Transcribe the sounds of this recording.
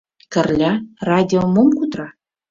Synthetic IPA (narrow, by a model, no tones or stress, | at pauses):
kə̆rlʲærɑdʲiomomkut̪ɾɑ